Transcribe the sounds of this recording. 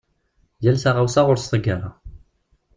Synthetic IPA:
jælsaʁawsaʁʊɾst̪ˤəɡaɾˤɑ

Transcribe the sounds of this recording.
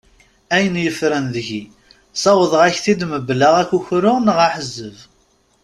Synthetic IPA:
æjənjəfɾənðəʝi | sˤɑwəðˤəʁæçθid̪məbːlːaʁækːuçɾʊʁnəʁaħəzːəv

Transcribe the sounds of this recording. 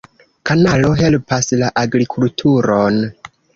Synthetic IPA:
kʰanalo̞ɦe̞lpaslaʔaɡɾikʰultʰuɾon

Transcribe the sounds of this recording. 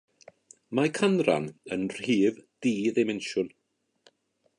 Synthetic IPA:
makʰanra̰nənr̥iːvd̥iːðemɛnʃʊn

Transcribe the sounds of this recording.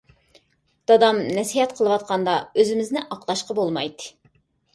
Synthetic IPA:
d̪̥ɑd̪ɑmnɛsiɦɛt̪qʰəlˠəwɑt̪̚qʰɑnd̪ɑøzɪmɪznɪʔɑqlˠɑʃqɑbolˠmɑjt̪ɨ̥

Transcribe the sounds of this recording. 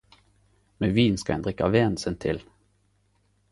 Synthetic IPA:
meːʋiːnskɑhɛnd̪ʁɪkɑʋeːnsənt̪ʰɪl

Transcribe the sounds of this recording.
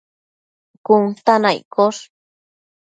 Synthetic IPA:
kunt̪anajkos

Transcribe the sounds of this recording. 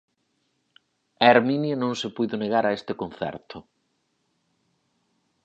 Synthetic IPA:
aeɾminjanõŋsepujðoneɣaɾaest̪ekon̟θɛ̰ɾt̪ʰʊ

